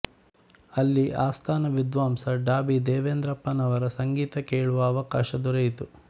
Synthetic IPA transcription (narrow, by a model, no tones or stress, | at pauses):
ɐlːiʔaːst̪ʰaːnɐʋid̪ʋaːmsɐɖaːbid̪eːʋeːnd̪ɾɐpːɐnɐʋɐɾɐsɐŋɡiːt̪ɐkeːɭuʋɐːʋɐkaːʃɐd̪uɾɐjt̪u